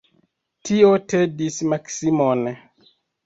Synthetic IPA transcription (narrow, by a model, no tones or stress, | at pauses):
tʰiotedismaksimon